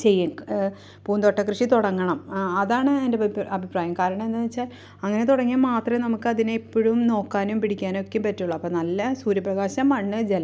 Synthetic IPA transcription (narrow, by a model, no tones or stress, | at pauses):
t͡ɕe̞jːu | puːnd̪oʈːɐkrɨʂit̪uɽɐŋːɐɳɐmɐðaːɳɨendeɐbʱipraːjɐmkaːɾɐɳɐme̞nːɨit͡ɕːaːl | ɐŋːɐne̞t̪uɽɐŋːijamːaːt̪rɐnɐmukːɨɐðineipːoɻumno̞ːkːaːnumpiɽikʲːaːno̞kːumpɐtːuɭːɐɐpːoːnɐlːɐsuːɾjɐprɐɣaːɕɐmɐɳːɨd͡ʑelɐ